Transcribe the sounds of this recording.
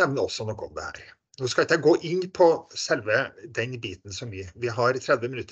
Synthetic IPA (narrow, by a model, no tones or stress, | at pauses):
ɛʋnəɔsːɔnɔkːɔ̰md̪ɛ̰hæ̰ːɾ | noːskɑɪt̪ːəɡoːʔɪnːpʰɔsɛlʋəd̪ɛnbiːt̪n̩sɔmʋɪʋɪɦɑɾt̪ʰɾɛd̪ʋəmɪnʉt̪ːə